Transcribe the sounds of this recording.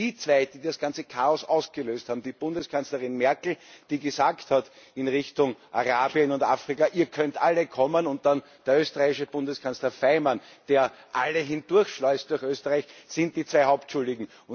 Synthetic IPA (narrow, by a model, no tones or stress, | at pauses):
d̥iːt͡sv̥æɪd̥iːdasɡ̥ãnt͡səkʰaːɔsʔaʊsɡ̥əløːsthaːbm̩d̥iːb̥ʊndəskʰanslɐʁɪnmɛɐkl̩d̥iːɡəzaːkthatɪnʁɪçtʊŋʔaʁaːbiənʊnta̰ːfʁ̥ɪkaʔiːɐkʰœntʔaləkʰɔmənʊ̃nt̚d̥an | d̥eɐøːstəʁaɪçɪʃəb̥ʊ̃ndəskʰanslɐfaɪman | d̥eːɐʔaləɦɪnd̥ʊɐçʃlɔʏst̚d̥ʊɐxʔøːstəʁaɪçsɪ̃nt̚d̥iːt͡svæɪhaʊp̚tʃʊldɪɡŋ̩ | ʊ